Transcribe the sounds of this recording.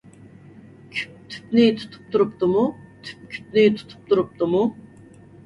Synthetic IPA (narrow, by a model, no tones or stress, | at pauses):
kʲʰt̪ʰy̥pnit̪ʰu̥t̪ʰu̥p̚t̪ʰuɾup̚t̪umut̪ʰy̥p̚kʲʰy̥p̚nit̪ʰt̪ʰu̥p̚t̪ʰuɾup̚t̪umu